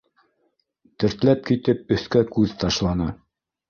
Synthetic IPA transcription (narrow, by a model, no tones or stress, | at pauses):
t̪ɘ̆ɾt̪læp̚kit̪ɘp̚ɵ̆θkækʉðt̪ɑʃlˠɑnɑ